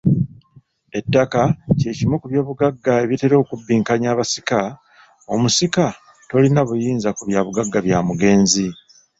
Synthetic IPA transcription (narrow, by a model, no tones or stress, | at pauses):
e̞tːakace̞ːcimukuβjo̞ːβuɡaɡːae̞βjite̞ɾo̞ːkubːiːŋkaɲaːβasi̥ka | o̞musika | to̞linaβujiːnzakuβjaːβuɡaɡːaβjaːmuɡe̞ːnzi